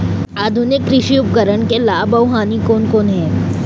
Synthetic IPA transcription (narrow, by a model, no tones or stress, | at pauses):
aːd̪ʱʊnɪkːɾɪʃiʊpɡəɾəɳkelaːbɐʊɦaːnikoːnkoːnɦɛ̃ː